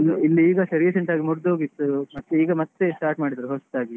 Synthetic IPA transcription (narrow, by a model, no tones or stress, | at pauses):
ilːiiːɡɐsɐɾjeseɳʈaːɡimuɾd̪oːɡit̪ːumɐt̪ːeiːɡɐmɐt̪ːesʈaːɾʈmaːɽid̪ɐɾuɦost̪aːɡi